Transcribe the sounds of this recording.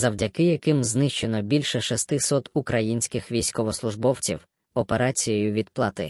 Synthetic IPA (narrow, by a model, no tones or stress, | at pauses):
zɐwdʲɐkɪjɐkɪmznɪʃt͡ʃe̞nɔbʲilʲʃɛʃɐst̪ɪsɔt̪ukɾʔɐjinʲsʲkɪxʋʲijsʲkɔʋɔslˠʊʒbɔwt͡sʲḭw | ɔpe̞ɾɑt͡sʲijɛjʊʋʲid̪plˠɑt̪ɪ̰